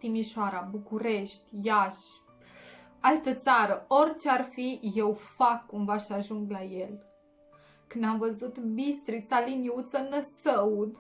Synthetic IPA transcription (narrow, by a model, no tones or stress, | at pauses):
t̪imiʃoaɾabukuɾe̞ʃt̪ʲjaʃ | alt̪ət̪saɾəo̞rʲt͡ʃearfije̞wfakːumvaʃaʒuŋɡlaje̞l | kɨnd̪amvəzut̪bist̪ɾit̪saliniut̪sənəsəud̪